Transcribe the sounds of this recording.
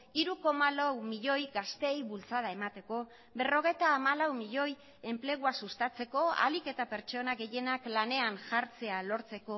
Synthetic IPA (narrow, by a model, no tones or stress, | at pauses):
iɾuko̞malawmiʎo̞jɡast̪e̞jβult͡saðae̞mat̪e̞ko̞ | βe̞ro̞ɣ̞e̞jt̪aːmalawmiʎo̞j | e̞mple̞ɣ̞uasust̪at͡se̞ko̞a̰like̞t̪ape̞ɾt͡ʃo̞naɣe̞je̞naklane̞anʝaɾt͡se̞alo̞ɾt͡se̞ko̞